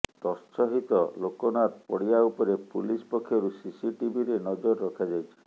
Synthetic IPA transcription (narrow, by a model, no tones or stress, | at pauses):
t̪ɔst͡ʃʰɔɦit̪ɔlokɔnaɾpɔɽijaupɔɾepulispɔkʰːjɔɾusisiʈibiɾenɔd͡ʒɔɾːɔkʰad͡ʒajt͡ʃʰi̥